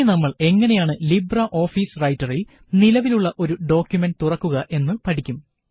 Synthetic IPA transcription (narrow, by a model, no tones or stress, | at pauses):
nɐmːɐɭe̞ŋːɐne̞jaːɳɨlibrɐʔo̞ːfiːsrɐjtːɐril | nilɐʋiluɭːɐʔo̞ɾuɖo̞ːkʲjumenɖt̪urɐkːuɣɐʔe̞nːɨpɐʈʰikʲːum